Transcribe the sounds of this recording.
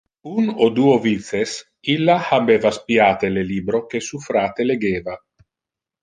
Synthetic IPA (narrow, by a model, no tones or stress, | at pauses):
unod̪uːovit̪ses | ilːahabeːvaspiaːt̪eleliːbɾokesufɾaːt̪eleɡeːva